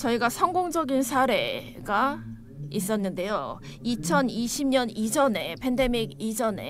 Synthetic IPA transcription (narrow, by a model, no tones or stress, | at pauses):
t͡ɕʌiɡasʰʌŋɡoŋd͡ʑʌɡinsʰaɾe̞̰ | ɡa | is͈ʌnːɯnde̞jo | it͡ɕʰʌniɕʰimɲʌnid͡ʑʌne̞pʰe̞nde̞miɡid͡ʑʌne̞̰